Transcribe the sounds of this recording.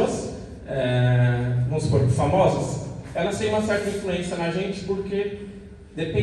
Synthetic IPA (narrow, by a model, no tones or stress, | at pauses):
ɐs | ɛ | vɐ̃mʊspoɾfamɔzɐsɛlɐst̪ẽj̃ũmɐsɛɾt̪ɐĩfluẽsjɐnɐʒẽnt͡ʃɪ̥poɾke | d̪epẽ